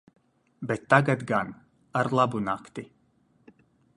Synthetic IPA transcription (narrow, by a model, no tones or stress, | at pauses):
bɛt̪ːaɡat̪ɡan | aɾlˠabunakt̪i